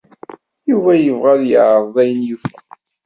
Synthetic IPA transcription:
juvæjəvʁæðjəʕəðˤæjənjuθ

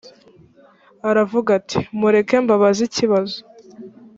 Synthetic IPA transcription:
aɾavuɡatʰi̥muɾe̞ke̞mbaβaziciβazo

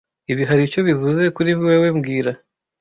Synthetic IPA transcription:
iβiɦaɾit͡ʃo̞βiɦuze̞kuɾiβiweːwe̞mɡiːɾa

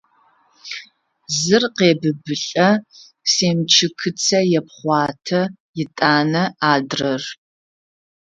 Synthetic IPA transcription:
zɨrqeːbɨbɨɬʼɐ | seːmt͡ʃʰɨkʰɨt͡sʰɐjɛp̚χʷɑːtʰɐ | jɪtʼaːnɐaːdrɐr

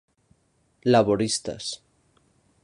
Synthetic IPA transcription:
laβoɾist̪a̰s

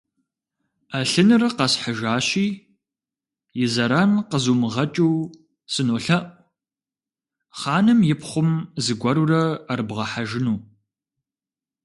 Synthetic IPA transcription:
aɬɨnɨrɐqɐsħaʒaːɕiː | jɪzɐɾaːnqəzuːmɨʁɐt͡ʃʼuw | sɨnoːɬɐʔʷ | χɑːnɨmjɪpχʷʊmzɨɡʷɐɾurɐːrbʁɐħaʒɪnuː

